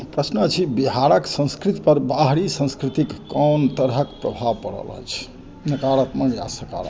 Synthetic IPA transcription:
pɾəsnət͡ʃʰibiɦaɾəksə̃skɾit̪pəɾbaɦɾisə̃ñskɾit̪ikːənt̪əɾɦəkpɾəbʱaʋpə̰ɽə̰lɦə̰jt͡ʃʰ | nəkaɾət̪məɡja̰səka̰ɾə̰

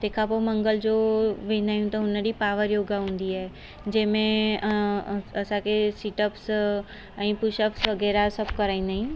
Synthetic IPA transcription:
t̪eːkʰap̬omɐ̃ŋɡəld͡ʑoʋẽnaːjũt̪ɐʊnəɾipaːʋəɾjoːɡaɦũːn̆d̪iae | d͡ʑɐ̃ːmẽ | ɐsãkʰesiʈəps | ɛ̃ːpʊʃəpsʋɐɡɛːɾasɐb̚kɐɾaːĩːnd̪aːɦĩ

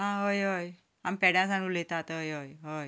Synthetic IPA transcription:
ɦãɦojɦoj | ampɛɽjãsanulet̪at̪ɦojojɦoj

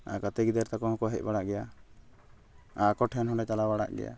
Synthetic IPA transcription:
a̰kat̪ɛɡid̪ɛɾt̪akɔhɔ̃kɔɦɛc̚ˀbaɽaʔɡɛja | akɔʈʰɛnɦɔ̃ɖɛt͡ʃalabaɽa̰ʔɡɛ̰ja̰

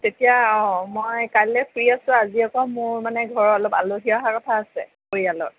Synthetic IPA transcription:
tetijaɔmɔjkajlɛpʰɹiasʊ̃aziɔkɔmʊɹmanɛɡʱɔɹɔɔlɔpa̰loɦiaɦakɔtʰaːsɛ̰koɹialɔ̰t

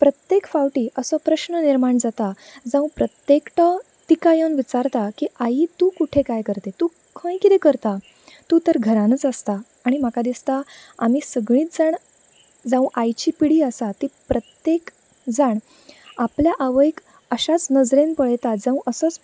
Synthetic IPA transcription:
pɾət̪jekfawʈiːʔəsəpɾəɕnəniɾmaɳd͡zat̪ad͡zãw̃pɾət̪jekʈə | t̪ikajənʋit͡saɾt̪akiʔait̪ukuʈʰekajkəɾt̪et̪uː | kʰə̃jkit̪ekəɾt̪a | t̪uːt̪əɾɡʱəɾanət͡səst̪aː | ɽ̃im̤akad̪ist̪aa̰m̤iːsəɡɭiːt̪̚d͡zaɳ | d͡zãw̃ʔajt͡ɕiːpiɽiːəsat̪iːpɾət̪jek | d͡zaɳ | apljaʔaʋəjk | əɕat͡snəd͡zɾenpəɭjt̪ad͡zãʋ̃ʔəsət͡s

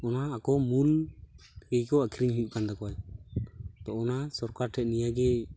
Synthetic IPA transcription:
ɔnaːkɔmul | kɛjkɔakʰiɾiɲɦuʔkand̪akɔwaj | t̪ɔɔnasɔɾkaɾʈʰɛʔ̪̚nijaɡɛ

